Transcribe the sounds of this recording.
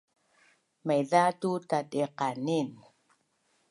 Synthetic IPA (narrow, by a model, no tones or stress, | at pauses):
majðatutat̪eqanin